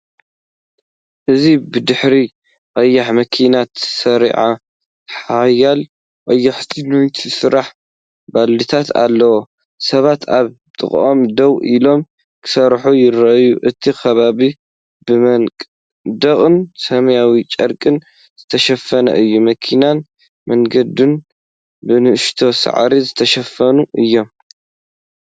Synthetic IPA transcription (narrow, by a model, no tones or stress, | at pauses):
ʔɨzibɨd̪ɨħɾi | ʔʼɐjːaħmɐkʰinat̪ʰsɐɾḭʕa | ħajal | ʔʼɐjːaħt̪ʰinunt̪ʰisɨɾaħ | balːit̪ʰat̪a̰lːɐwo | sɐβat̪aβ | t̪ʼɨ̰χʼʔomd̪ɐwʔilo̞m | kʰɨ̥sɐɾħujɪɾɐʔjuʔɨt̪ʰikʰɐβaβi | bɨmɐkʼ | d̪ɐχʼɨnsɐmɐjawit͡ʃʼɐɾkʼɨn | zɨt̪ʰɐʃɐfɐnɐ̰ʔɨjːumɐkʰinan | mɐŋɡɐd̪ɨn | bɨnɨʔɨʃt̪ʰo̞sa̰ʕ̰ɾizɨt̪ʰɐʃɐfɐnuʔɨjːo̞m